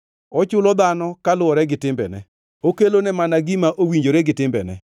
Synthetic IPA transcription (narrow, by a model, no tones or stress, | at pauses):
ɔt͡ʃʊlɔd̪anɔkalʊɔɾɛɡɪtɪmbɛ̰nɛ̰ | okelonɛmanaɡɪmaʔowiɲd͡ʒoɾeɡɪtɪmbɛ̰nɛ̰